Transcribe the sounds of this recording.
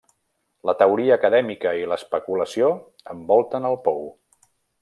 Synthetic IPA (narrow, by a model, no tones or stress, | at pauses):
lət̪əwɾiəːkəðɛmikəiləspəkuləsio | əmbɔlˠt̪ənəlˠpɔw